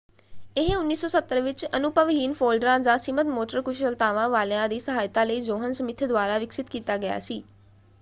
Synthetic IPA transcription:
eɦeʊnːiːsːɔsət̪ːəɾʋɪt͡ʃənʊpəʋɦiːnfoːlɖɾãd͡ʒãsimət̪moːʈəɾkʊʃəlt̪aːʋãʋaːlãd̪iːsəɦaːjt̪aləiːd͡ʒoːɦənsəmɪt̪ʰd̪ʋaːɾaʋɪksɪt̪kiːt̪aɡɐja̰siː

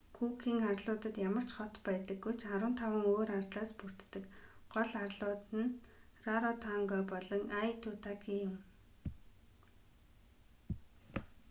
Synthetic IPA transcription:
kʰuːkiːŋarɮʊːt̪ə̆t̪jamə̆r̥t͡ɕχɔt̪pæːt̪ə̆ɡːujt͡ɕʰaɾwə̆nt̪ʰawə̆ŋoːɾart̪ɮaːspur̥t̪ːɘ̆kɢ̥ɔɮarɮʊːt̪ɘ̆nraɾɔt̪ʰaŋɡɔːpɔɮɞ̆ŋʔajt̪ʰːuːt̪akijʊ̆m

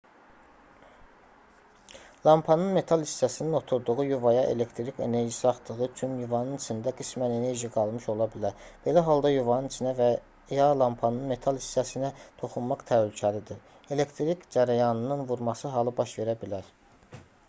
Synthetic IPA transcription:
lˠɑmpʰɑnɯnme̞t̪ʰɑlˠist͡ʃæsininot̪ʰuɾd̪uʁujuvɑjɑʔe̞̰le̞kt̪ʰɾice̞ne̞ɾʒisɑχd̪ɯɣɯt͡ʃʰynjuvɑnɯnit͡ʃʰind̪æɡismænene̞ɾʒiɡɑlˠmɯʃo̞lˠɑbilæɾb̥e̞læɦɑlˠd̪ɑjuvɑnɯnt͡ʃʰinæv | jɑlˠɑmpʰɑnɯnme̞t̪ʰɑlˠist͡ʃæsinæt̪ʰo̞χunmɑqt̪ʰælycʰælid̪iɾ | e̞lekt̪ʰɾikd͡ʒæɾæjɑnɯnɯnvuɾmɑsɯɦɑlˠɯbɑʃve̞ɾæbilæɾ

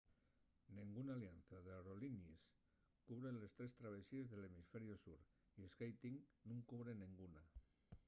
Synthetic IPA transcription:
nĩŋɡunaːlianθaðawɾolinis | kuβɾenle̞st̪ɾest̪ɾaβ̞esiezðelemisfeɾjosuɾ | iesɣejt̪iŋnũŋkuβ̞ɾenĩŋɡuna

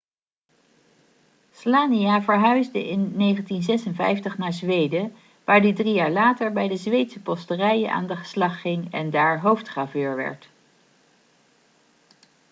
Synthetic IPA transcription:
slaːniaːvəɹɦœɥzdəʔɪnːejχəntinzɛsənvɛ̰jftəχnaːɹzʋejdə | ʋaːɹdidrijaːɹlaːtəɹbɛjdəzʋejtsəpɔstərɛjəna̰ːndəχə̥slɑχːɪŋɛndaːɹɦowftχaːvøːɹʋɛ̰ɹt

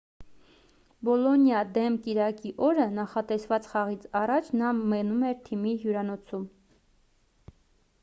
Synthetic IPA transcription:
bɔlɔnjɑd̪ɛmkiɾɑkiʔɔɾənɑχɑt̪ɛsvɑt͡sχɑʁit͡sʰɑrɑt͡ʃʰnɑmɛnumɛɾt̪ʰimiɦjuɾɑnɔt͡sʰum

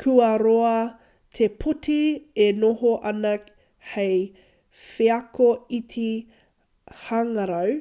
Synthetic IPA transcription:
kʰuɐɾoɐ | tʰepʰutienoɦoʔɐnɐ | hej | feɐkoitʰi | haŋɐɾɐw

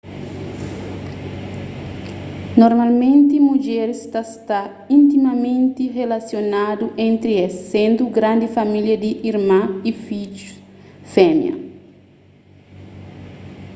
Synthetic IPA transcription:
noɾmalmẽnt̪imud͡ʒɛɾist̪ast̪a | ĩnt̪imɐmẽnt̪irelasjonad̪uʔẽnt̪ɾiɛsːẽnd̪uɡɾãnd̪ifamiljɐd̪iʔiɾmãifid͡ʒu | fɛmjɐ̰

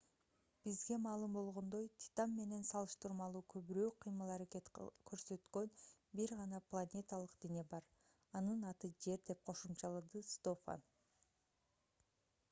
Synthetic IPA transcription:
b̥izɡe̞mɑːlˠɯmbo̞lˠʁo̞nd̪o̞jt̪ʲʰi̥t̪ɑmːe̞ne̞nsɑlˠɯʃt̪ɯɾmɑlˠuːkʰøβyɾøːqʰɯjmɯlˠɑɾaket̪kʰø̞ɾsø̞t̪kø̞nbiɾʁɑnɑplˠanʲe̞t̪alˠɯqd̪̥ine̞bɑɾ | ɑnɯnɑt̪ɯd͡ʒe̞ɾd̪e̞p̚qʰo̞ʃumt͡ʃɑlˠɯd̪ɯst̪ofa̰n

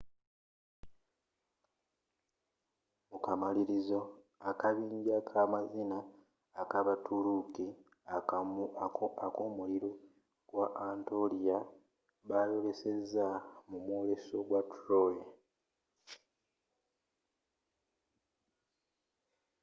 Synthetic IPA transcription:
mukamaliɾizo̞ | akaβiːɲɟakʰamazinaː | kaβatʰuluki | akoːmuliɾo | ɡ̥waʔantolija | βalo̞le̞se̞zamumwo̞ːle̞so̞ɡwatɾoje

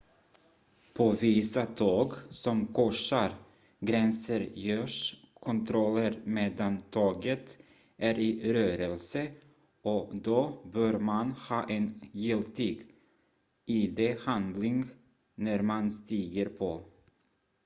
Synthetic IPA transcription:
pʰoviːsat̪ʰoːɡsɔmkʰɔʂaɾ | ɡɾɛnsəɾjøːʂkʰɔnt̪ʰɾɔlːəɾmeːd̪ant̪ʰɑːɡət̪ | ʔæɾɪɾøːɾəlsə | ɔd̪obœːɾmanhɑːʔɛnjɪlt̪ʰiːɡ | iːd̪ehand̪lɪŋ | næɾmanst̪iːɡəɾpʰɔ

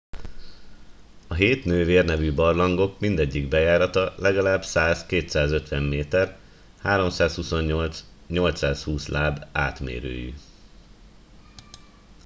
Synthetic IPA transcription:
ɒɦeːt̪nøːveːrnɛvybɒrlɒŋɡo̞kmind̪ɛɟːiɡbɛjaːɾɒt̪ɒlɛɡɒlaːbsaːzkeːt̪saːzø̞t̪ʋɛmːeːt̪ɛr | haːɾo̞msaːshuso̞ɲːo̞lt̪s | ɲo̞lt̪saːshuːslaːba̰ːt̪mḛːɾø̰ːjḭ

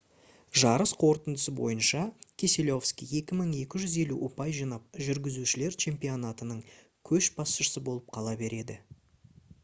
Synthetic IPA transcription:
ʒɑɾəsqʰo̞ɾt̪ənd̪əsəbo̰jənʃɑkʲʰeselʲo̞fskʲije̞kʲɪməɴe̞kʲɪʒʏze̞luʔopɑjʒinɑp̚ʒʏɾɡʲɪzuʃɪle̞ɾt͡ʃʰe̞mpijo̞nat̪ənəɴ | kʲʰɵʃbɑsʃəsəbo̞lˠəp̚qʰɑlˠɑbe̞ɾe̞d̪ɪ

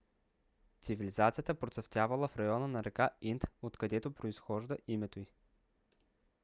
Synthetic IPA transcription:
t̪sivilizat̪sijət̪əpɾot̪sɐft̪ʲjavɐlˠəfɾɐjɔnənɐɾɛkaint̪ot̪kɐd̪ɛt̪opɾoisxɔʒd̪əʔimɛt̪oi

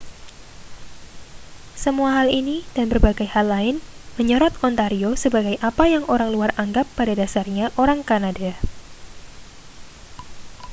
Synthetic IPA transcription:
səmuaɦalinid̥anbərbaɡajhalːaɪnməɲəɾɔt̪̚kɔnt̪aɾiosəbaɡajʔapajaŋʔoɾaŋluaraŋɡapːadadasarɲaʔoɾaŋkanada

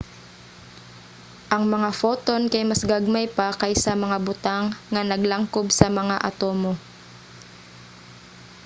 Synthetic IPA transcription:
ʔɐŋmɐŋafoːt̪o̞nkɐjmɐsɡaɡ̚majpakɐjsɐmɐŋabʊt̪aŋːɐnɐɡlaŋkobsɐmɐŋaʔɐt̪oːmo

